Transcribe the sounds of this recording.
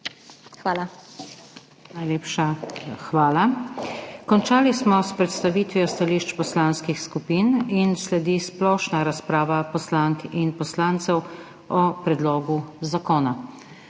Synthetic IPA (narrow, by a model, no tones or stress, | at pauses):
xʋaːla | najleːpʃaxʋaːla | kɔnt͡ʃaːlismɔspɾɛt̪st̪aʋiːt̪ʋjɔst̪aliʃt͡ʃpɔslaːnskixskupiːninslɛd̪isplɔːʃnaɾaspɾaːʋapɔslaŋkinpɔslaːnt̪sɛw | ɔpɾɛd̪lɔːɡuzakɔːna